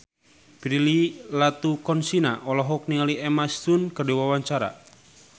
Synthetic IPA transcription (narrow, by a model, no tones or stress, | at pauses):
b̥ɾililat̪ukɔnsinaʔɔlɔɦɔk̚niŋaliʔɛmastunkərduwawaɲt͡ʃaɾa̰